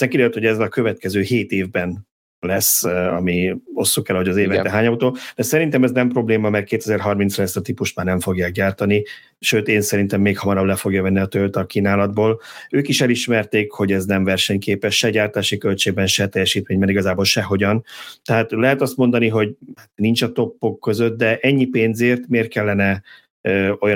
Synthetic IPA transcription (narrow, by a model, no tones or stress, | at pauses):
nɛkid̪eːt̪hoɛzɒkøvɛt̪̚kɛzøːheːt̪eːvbɛn | lɛsɒ̰mio̞sːukɛlho̞ɟɒzeːvɛːɛɦaːɲɒut̪oːd̪ɛsɛɾint̪ɛmɛznɛmpro̞bleːmɒmɛr̚keːt̪ɛzɛrɦɒrminslɛst̪ɒt̪ipuʃt̪maːrnɛɱfo̞ɡjaːk̚ɟaːrt̪ɒni | ʃøːt̪eːnsɛɾint̪ɛmːeːkhɒmɒɾɒblɛfo̞ɡjɒvɛnːiɒt̪ølt̪ɒkiːnaːlɒd̪̚boːløːkiʃɛliʃmɛrt̪eːkho̞ɟɛznɛmvɛrʃɛɲkeːpɛʃʃɛɟaːrt̪aːʃikø̞lt͡ʃeːɡ̚bɛnʃɛt̪ɛjːɛʃiːt̪meːɲmɛːɾiɡɒzaːbolʃɛɦo̞ɟɒnt̪ɛɦaːt̪lɛɦɛt̪ɒst̪mo̞nd̪ɒniɦo̞ɟhat̪nint͡ʃɒt̪o̞pːo̞kːø̞zøt̪̚d̪ɛʔɛɲːipeːnzeːrt̪meːrt̪̚kɛlːɛnɛ | o̞jɒ